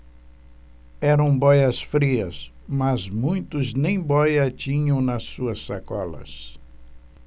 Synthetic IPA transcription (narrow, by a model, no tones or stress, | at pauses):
ɛɾɐ̃w̃bɔjɐsfɾiɐs | mɐzmũj̃t̪ʊznẽj̃bɔjɐt͡ʃĩɲɐ̃w̃nɐsuɐsːakɔ̰lɐ̰s